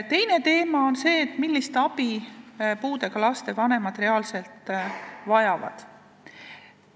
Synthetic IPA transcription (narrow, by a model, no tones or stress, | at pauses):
t̪e̞jne̞t̪e̞ːmɑo̞nse̞ːt̪ːˑmilːist̪ɑb̥ipuːd̪e̞ɡ̥ɑlɑst̪e̞vɑne̞mɑd̪re̞ɑːlselt̪ˑvɑjɑvɑ̰d̪̥